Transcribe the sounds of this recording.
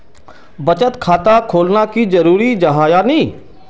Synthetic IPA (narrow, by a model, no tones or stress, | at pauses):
bət͡ʃət̪kʰaːt̪akʰoːlnakid͡ʒəɾuːɾid͡ʒɐɦaːjanĩː